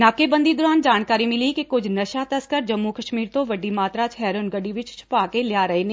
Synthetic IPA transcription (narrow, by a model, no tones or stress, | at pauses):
naːkebə̃nd̪id̪ʊɾaːnd͡ʒaːnkaːɾimɪlikikʊd͡ʒʱnɐʃat̪ɐskəɾd͡ʒɐmːukɐʃmiːɾt̪õʋɐɖimaːt̪ɾat͡ʃʰɦɛːɾʊnɡɐɖiʋɪt͡ʃt͡ʃʰʊ̥paːkelɪjaɾɐɦeːneː